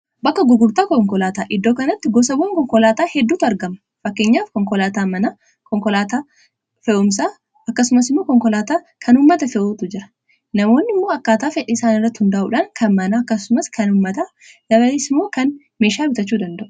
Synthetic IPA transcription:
bɐkːɐɡʊɡʊɾt̪aːkɔŋkɔlaːt̪aːʔɪd̪ːoːkɐnɐt̪ːɪɡɔs̬ɐboːŋkɔŋkɔlaːt̪aːhɛd̪ːuːt̪ɐɾɡɐmɐ̥ | fɐkːeːɲːaːfkɔŋkɔlaːt̪aːmɐna | kɔŋkɔlaːt̪aː | fɛʔʊmsaː | ɐkːɐsʊmɐsɪmːo̞ːkɔŋkɔlaːt̪aː | kʰɐnʊmːɐt̪ɐfɛʔoːt̪ʊd͡ʒɪɾɐ̥ | nɐmo̞ːnːɪmːo̞ːɐkːaːt̪aːfɛᶑɪɪsaːnɪrːɐt̪ːhʊnd̪aːʔṵːᶑɐŋkʰɐnmɐnaːɐkːɐsʊmɐskɐnʊmːɐt̪aː | d̪̥ɐβɐleːsɪmːo̞ːkɐn | meːʃaːbɪt̪ɐt͡ʃːuːd̪ɐnd̪ɐʔʊ̥

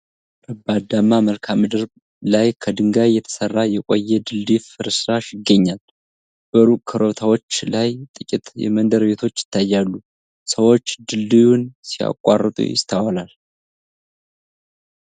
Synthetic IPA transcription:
ʔəbad̪amːaməlkʰamːɨd̪ɨɾb | lajkʰəd̪ɨŋɡajjːɛt̪ʰə̥sərːajɛkʼo̰jːɛd̪ɨlːifɨɾsɾaʃjɪɡːəɲːal | b̥əɾukʰəɾo̞t̪ʰawo̞t͡ʃːlajt̪ʼɨkʼit̪jɛ̰mənd̪əɾbe̞t̪ʰo̞t͡ʃːjɪ̥t̪ʰːajːalːu | səwo̞t͡ʃːd̪ɨlːijunsija̰kʼːa̰rːɨt̪ʼṵjɪ̰st̪ʰawalal

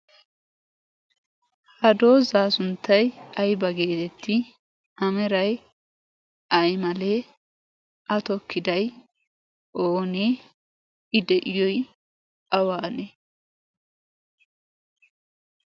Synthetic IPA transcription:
hɐd̪o̞ːzaːsʊnt̪ːɐjɐjbɐɡe̞ːt̪ɛt̪ʰːɪ | ʔɐmɛɾɐj | ʔɐjmɐleː | ʔɐt̪ɔkːɪd̪ɐj | ʔoːne | ɪd̪ɛʔɪjɔj | ɐwaːne

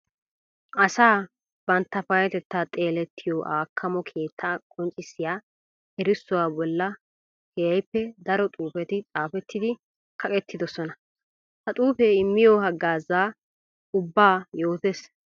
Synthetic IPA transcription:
ʔɐsaː | b̥ɐnt̪ːɐfɐjɛt̪ɛt̪ːaːt̪ʼeːlɛt̪ʰːɪjoːʔaːkʰːɐmɔkʰeːt̪ʰːaːkʼɔnt͡ʃʼːɪsːɪjaː | ɛɾɪsːʊwaːbɔlːɐ | hɛjɐjpːɛd̪ɐɾɔt̪ʼuːfɛt̪ɪt͡sʼaːfɛt̪ːɪd̪ɪ | kʰɐkʼɛt̪ːɪd̪ɔsɔnɐ | hɐt̪ʼuːfeɪmːɪjohɐɡːaːzaː | ʊbːaːjo̞ːt̪es

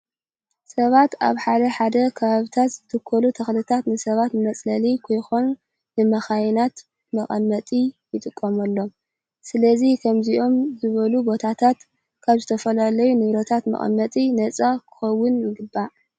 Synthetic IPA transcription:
sɐβat̪a̰βħad̪ɐħad̪ɐkʰɐβaβit̪ʰat̪z̥ɨt̪ʰɨkʰːɐlut̪ʰɐxlɨt̪ʰat̪nɨsɐβat̪nɨmɐt͡sʼlɐlikʰo̞jxonː | ɨmɐxajnat̪ | mɐχʼɐmːɐt̪ʼijɨt̪ʼɨkʼːɐmɐlːo̞m | sɨlɐzikʰɐmziʔo̞mzɨβɐlubo̞t̪ʰat̪ʰat̪ | kʰaβzɨt̪ʰɐfɐlalɐjunɨβɾɐt̪ʰat̪mɐ̰χʼɐ̰mːɐt̪ʼinɐt͡sʼakʰɨ̥xɐwːʊnjɪɡɨbːa

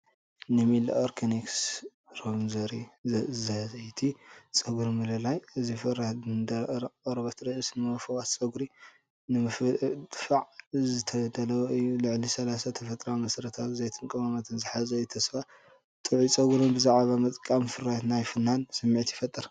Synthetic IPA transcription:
nɨmila̰ʔoɾkʰeniks | ɾomzɐɾizɐzɐjt̪ʰit͡sʼɐɡuɾimɨlɨlajɨzifɨɾaɨnd̪ɐɐɾβɐt̪ʰɾɐʔɨsnɨmɐfɐwat̪t͡sʼɐɡuɾi | nɨmɨft̪ʼfaʕzɨt̪ʰɐd̪ɐlɐwɨjːulɨʕlisɐlasat̪ʰɐfɐt̪ʼɾamɐsɐɾɐt̪ʰatɨzejt̪ʰɨnkʼɐmamat̪ʰɨnzɨħazɐjut̪ʰɐsfa | t̪ʼɨʕit͡sʼɐɡuɾonbɨzaʕβamɐt̪ʼkʼamfɨɾajat̪najfɨnːansɨmːiʕt̪jɪfɐt̪ʼɨɾ

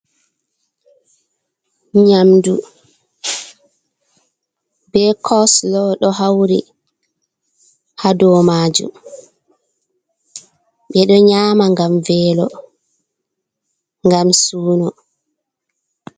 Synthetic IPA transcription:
ɲamdu | bɛkʰɔslɔɗɔɦawɾi | hadɔmaːd͡ʒṵm | ɓɛɗɔɲaːmaŋɡamvɛːlɔ | ŋɡamsuːnɔ

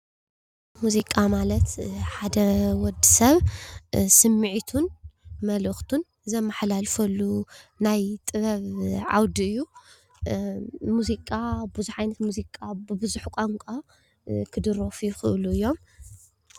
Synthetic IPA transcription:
muzikʼamalɐt̪ħad̪ɐwɔd̪isɐβ | sɨmːɨʕit̪ʰunmɐlɨxt̪ʰun | zɐmːaħlalfɐlːunajt̪ʼɨβɐβʕa̰wd̪iɨjːu | muzikʼabɨzuħʕajnɐt̪muzikʼabɨbɨzuħkʷʼaŋkʷʼa | kʰɨd̪ɨɾofujuxɨʔluɨjːo̞m

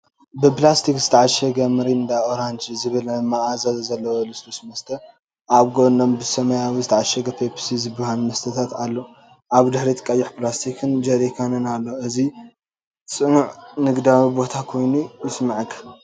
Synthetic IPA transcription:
bɨplast̪ʰikzɨt̪ʰɐʕaʃɐɡɐmɨɾiɨnd̪ajoɾand͡ʒzɨβɨlmːaazazɐzɐlːɐwolɨst̪ʰosmɐst̪ʰɐ | ʔaβɡonombɨsɐmɐjawizɨt̪ʰaʕaʃɐɡɐpʰepʰsizɨbɨhanmɐst̪ʰɐt̪ʰat̪alːo | ʔaβd̪ɨħɾit̪ʰʼkʼɐjːɪħplast̪ʰikʰɨnd͡ʒɐɾikʰanɨnalːoɨzi | sʼɨnuʕnɨɡd̪awibo̞t̪ʰakʰo̞jnujɪsmaʕkʰːɐ̥

